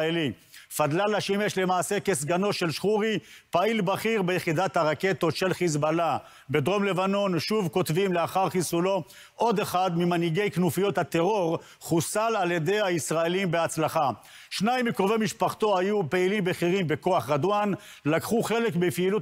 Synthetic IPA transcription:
elifad̪lalaʃimeʃle̞maːse̞kesɡano̞ʃe̞lʃχuʁi | pailbaχiʁbejeχid̪at̪haʁake̞t̪o̞t̪ʃe̞lχizbala | be̞d̪ʁo̞mle̞vano̞nʃuvko̞t̪vimle̞aχaʁχisulo̞ | ʔo̞d̪eχad̪mimaniɡe̞jknufijo̞t̪hat̪e̞ʁo̞ʁ | χusalaljed̪e̞jhaisʁaelimbeat͡slaχa | ʃnajmikʁovejmiʃpaχt̪o̞hajupeilimbeχiʁimbe̞ko̞aχʁad̪wan | lakχuχe̞lekbefiːlu

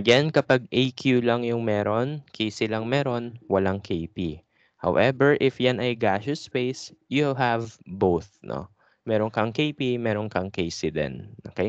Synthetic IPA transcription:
ʔɐɡɛnkɐpaɡ̚ʔejkʰjulɐŋjʊŋmɛːɾonkʰejsɪlɐŋmɛːɾo̞nwɐlaŋkʰejpi | ha̰wʔɛvɛɹʔɪfjanɐjɡaʃʊspejsjulɦavbowθno̰ | mɛːɾonkɐŋkejpimɛːɾonkɐŋkejsɪd̪ɛ̰nɐkɐj

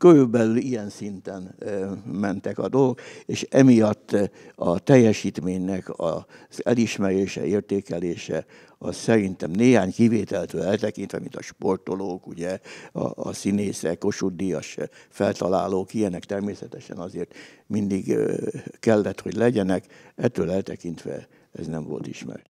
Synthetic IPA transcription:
køɾylbɛlylijɛnsint̪ɛn | mɛnt̪ɛkɒd̪o̞lokeːʃɛmijɒt̪ːɒt̪ɛjːɛʃiːt̪meːɲnɛkɒ̰z̥ɛliʃmɛɾeːʃɛ̰eːrt̪eːkɛleːʃɛ̰ | ɒssɛɾint̪ɛmneːɦaːɲkiveːt̪ɛlt̪ø̰ːɛlt̪ɛkint̪ʋɛ̰mḭnt̪ɒʃpo̞rt̪oloːkuɟɛɒ̰ːsineːsɛkːo̞ʃud̪ijɒʃfɛlt̪ɒlaːloːkijɛnɛkt̪ɛrmeːsɛt̪ɛʃɛ̰nɒzeːrt̪mind̪iɡ | kɛlːɛt̪ho̞ɟlɛɟɛnɛkɛt̪ːøːlɛlt̪ɛkint̪ʋɛ̰ | ɛ̰znɛɱvo̞̰lt̪iʃmɛ̰r

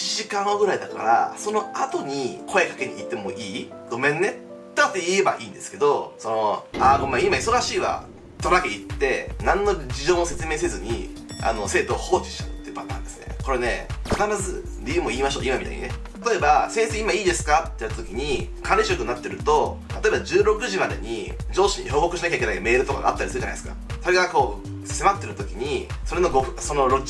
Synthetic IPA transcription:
iʑikãɰ̃oɡɯ̟ɾaid̪aka̰ɾa̰so̞no̞at̪o̞ɲ̟ikʰo̞ekḁke̞ɲḭit̪ːe̞moʔiː | d̪̥o̞mẽ̞nːe | t̪ːeat̪ːeie̞ba̰ʔĩːnd̪e̞sɨ̥ke̞d̪o̞so̞no̞akomːaimaiso̞ɾaɕiːβa̰ | t̪oɾaɡeit̪ːe̞nãnːo̞d͡ʑiʑo̞ːose̞t͡sɨme̞ːs̬ezɨɲ̟ḭa̰no̞se̞ːt̪o̞ːho̞ːt͡ɕi̥ɕi̥t̪at̪ːebanãnd̪e̞sɨ̥nḛko̞ɾe̞ne̞kʰanaɾazɨ | ɾʲijɯ̟ːmo̞iːmaɕo̞ːimamit̪a̰ḭɲḭnet̪at̪o̞e̞base̞ːseimaiːd̪e̞sɨ̥kat̪ːeit̪ːat̪okʲiɲ̟ikʰãɾeɕo̞kɯ̟nːat̪ːe̞ɾɯ̟t̪o̞t̪at̪o̞e̞bad͡ʑɨːɾo̞kɯ̟ʑimad̪e̞̰ɲ̟ḭd͡ʑo̞ːɕiɲ̟iço̞ːko̞kɯ̟ɕinakʲaikeaime̞ːɾɯ̟t̪o̞ka̰ɡa̰a̰t̪ːaɾʲisɨɾɯ̟anad̪esɨ̥ka̰ | so̞ɾe̞ɡako̞ː | sse̞mat̪ːe̞ɾɯt̪o̞kʲiɲ̟iso̞ɾe̞no̞ɡoso̞noɾo

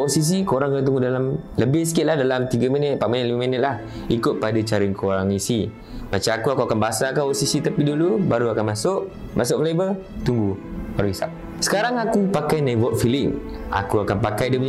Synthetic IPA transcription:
osis̬ikoɾaŋkat̪uŋɡudalam | ləbɪhs̬ə̥kɪt̪̚lahdalamt̪iɡaminət̪̚paʔminət̪̚limaminət̪̚lah | ikʊt̪̚padat͡ʃaɾɪnkʰoɾaŋisi | mat͡ʃamakuakuakanbaasakaosisit̪apidulubaɾuakanmãsʊʔ | mʔas̬ʊʔflejbə | t̪uŋɡubaɾuisa̰p̚ | sə̥kaɾaŋakupakajnaibɔt̪̚filɪŋ | a̰kuakanpakajdəmɲ

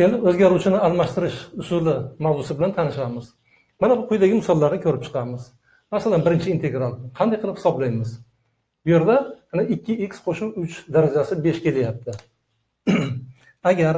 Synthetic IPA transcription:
kʲe̞lɪpɵzɡʲaɾuwt͡ʃʰɪnɪalˠmaʃt̪ɪɾɪʃʊsʊlɪmawzʊsɪbɪlant̪ʰanɪʃamɪz̥ | manabʊqʰʊjd̪aɡʲɪmɪsɒlˠːaɾnɪkʲʰɵɾɪp̚t͡ʃʰɨ̥qʰɑmɪz | masalanbɪɾɪnt͡ʃʰɪiːnt̪ʰe̞ɡɾalˠqʰɑnd̪ajqɨlˠɪphɪ̥sɒblajmɪz | bʊje̞ɾd̪amanaɪkʲːɪekʲsqʰoʃuwʊt͡ʃd̪aɾad͡ʒasɪbe̞ʃkʲʰe̞lajap̚t̪ʰɪ | aɡʲaɾ

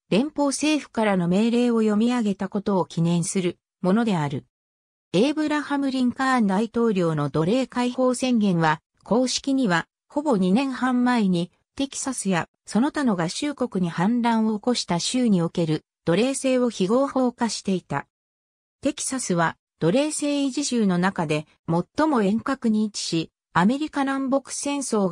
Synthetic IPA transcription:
d̪̥ẽ̞mpo̞ːse̞ːɸɯ̟̥kaɾano̞me̞ːɾe̞ːo̞jo̞mʲiaɡe̞t̪ako̞t̪o̞ːkʲinẽ̞ɰ̃sɨɾɯ̟ | mo̞no̞d̪e̞aɾɯ̟ | e̞ːbɯ̟ɾahamɯ̟ɾʲĩŋkãnd̪ait̪o̞ːɾʲo̞ːno̞d̪o̞ɾe̞ːkaiho̞ːsẽ̞ŋɡẽ̞ɰ̃βa | ko̞ːɕi̥kʲiɲ̟iβa | ho̞bo̞ɲ̟inẽ̞ɰ̃hãmːaeɲ̟i | t̪e̞kʲi̥sasɨja | so̞no̞t̪ano̞ɡaɕɨːko̞kɯ̟ɲ̟ihãnd̪ãɰ̃o̞ːko̞ɕi̥t̪aɕɨːɲ̟io̞ke̞ɾɯ̟ | d̪̥o̞ɾe̞ːse̞ːβo̞çiɡo̞ːhoːkaɕi̥t̪e̞it̪a̰ | t̪e̞kʲi̥sasɨβa | d̪̥o̞ɾe̞ːse̞ːiʑiʑɨːno̞nakad̪e̞ | mo̞t̪ːo̞mo̞ẽ̞ŋkakɯ̟ɲ̟iːt͡ɕi̥ɕi | ame̞ɾʲikanãmbo̞kɯ̟̥sẽ̞ɰ̃so̞ː

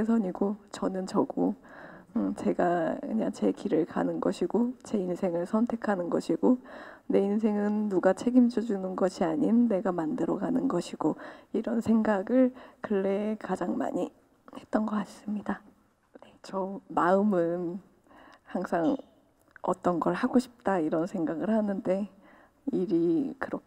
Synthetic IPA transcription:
es̬ʰʌɲiɡot͡ɕʌnɯnt͡ɕʌɡo | ɯt͡ɕe̞ɡakɯɲaŋt͡ɕe̞kiɾɯɭka̰nɯnɡʌɕʰiɡot͡ɕe̞insʰe̞ŋɯɭsʰʌntʰe̞kʰanɯnɡʌɕʰiɡone̞ins̬ʰe̞ŋɯnːuɡat͡ɕʰe̞ɡimd͡ʑod͡ʑunɯnɡʌɕʰiaɲinːe̞ɡamandɯɾʌɡanɯnɡʌɕʰiɡ̥oiɾʌnsʰeŋɡaɡɯɭkɯɭːe̞kad͡ʑaŋma̰ɲi | he̞t̚t͈ʌnɡʌas͈ɯmɲida | ne̞t͡ɕʌmaɯmɯn | haŋsʰaŋ | ʌ̰t͈ʌnɡʌɭhaɡoɕʰi̥p̚t͈aiɾʌnsʰe̞ŋɡaɡɯɭhanɯnde̞ | iɾikɯɾʌ

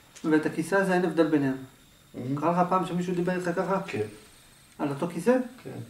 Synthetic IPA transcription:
veːt̪akisaːzeenevd̪elbenem | kʁaleχapaːmʃemiʃud̪ibeʁelχakaχak | alot̪okiseke

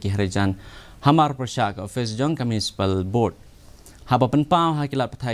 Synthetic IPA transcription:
kiɦɐɾed͡ʒan | hɐmaɾpɾɐʃakɔfʰes̬d͡ʒɔŋkɐmjunisi̥pəlboɖ̚ | hapɐpɐnpãmɦakilat̪̚pɐt̪ʰa

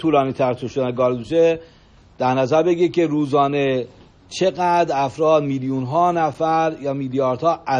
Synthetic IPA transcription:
uːlɒːniːt̪ʰæɾt̪ʰuʃod̪ænɡɒːɾd̪uʃe | d̪̥æɾnæzæɾbe̞ɟiɾecʲʰe̞ɾuːzɒːne | t͡ʃʰe̞ɣæd̪ɾæfɾɒːd̪miːljunɦɒːnæfæɾjɒːmiːljɒːɾd̪hɒːæ

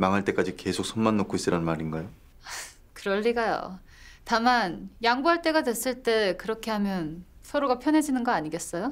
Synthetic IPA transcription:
maŋɦaɭt͈e̞k͈ad͡ʑike̞sʰok̚s͈ʰonmanːokʰois͈ɯɾannmaɾinɡajo | a | kɯɾʌɭːiɡajo̰ | tamanjaŋbuɦaɭt͈e̞ɡadwe̞s͈ɯɭt͈e̞kɯɾʌkʰe̞ɦamjʌnsʰʌɾoɡapʰjʌnɦe̞d͡ʑinɯnɡʌaɲiɡe̞s͈ʌjo

